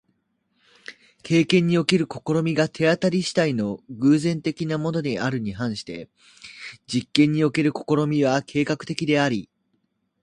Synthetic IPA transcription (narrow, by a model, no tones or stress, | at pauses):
kʰe̞ːkẽ̞ɲ̟ːio̞ke̞ɾɯ̟ko̞ko̞ɾo̞mʲiɡat̪ʰe̞at̪aɾʲiɕi̥t̪aino̞ɡɯ̟ːzẽ̞nt̪e̞kʲinamo̞no̞d̪eʔaɾɯ̟ɲ̟iɦãɰ̃ɕi̥t̪e̞ | d͡ʑikːẽ̞ɲ̟ːio̞ke̞ɾɯ̟ko̞ko̞ɾo̞mʲiβ̞akʰe̞ːkakɯ̟̥t̪e̞kʲid̪e̞aɾʲi